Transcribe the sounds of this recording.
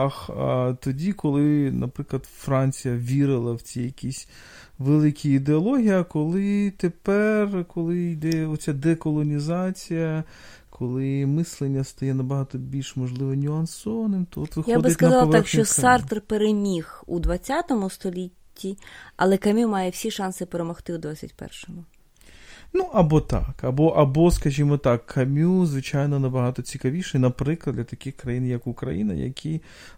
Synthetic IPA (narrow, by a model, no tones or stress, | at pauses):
ɑxt̪ɔdʲikʰɔlˠɪnɐpɾɪklˠɐd̪fɾɑnʲt͡sʲijɐʋʲiɾɪlˠɐwt͡sʲijɐkʲisʲ | ʋelˠɪkʲiid̪eɔlˠɔɦʲijɐkɔlˠɪt̪epɛrkɔlˠɪjd̪ɛɔt͡sʲad̪ɛkɔlˠɔnʲizɑt͡sʲijɐ | kʰɔlˠɪmɪslˠenʲːɐst̪ɐjɛnɐbɐɦɑt̪ɔbʲilʲʃmɔʒlˠɪʋɐnʲʊɐnsɔʋɐnɪmt̪ɔɔt̪ʋɪxjaɔdbɪɐt̪tknɐzɑlˠɐʋ̪ɑkʃt͡ʃt͡ʃɔsɑrt̪rpeɾemʲixṵd̪ʋɐt͡sʲːat̪ɔmʊst̪ɔlʲitʲːiɐ̰lˠɛkɐmʲumɑjɛwsʲiʃɑnsɪpeɾemɔxt̪ɪud̪ʋat͡sʲːɐ̰tʲpɛ̰rʃɔmʊ | nuʔɐbɔt̪ɑ̰kɐbɔʔɐbɔskɐʒʲimɔt̪ɑkʰːɐmʲuzʋɪt͡ʃajnɔnɐbɐɦɑt̪ɔt͡sʲikɐʋʲiʃɛnɐpɾɪklˠɐd̪lʲɐt̪ɐkʲɪxkɾɐjinjɐkukɾɐ̰jinɐ̰jɐ̰kʰʲi